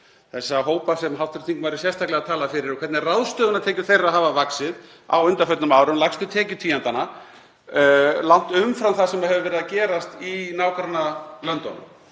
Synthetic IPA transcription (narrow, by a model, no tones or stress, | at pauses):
θɛsːaɦoːwpasɛmɦawt̪ʏɾt̪θiŋknvaɾɪsjɛst̪ʰaklɛɣat̪ʰaːlafɪɾɪɾɔkʰvɛt̪nɪraðst̪œːɣʏnat̪ʰɛːcʏ̥θejraɦaːvavaksɪð | a̰wʏnt̪afœt̪nʏmaːwɾʏmlaxst̪ʏt̪ʰɛːcʏt̪ʰiːant̪ana | lan̥t̪ʏmfɾawθasɛmaðhɛvʏvɛːɾɪðacɛːɾast̪inawkaɾnalœnt̪ɔ̰nʏm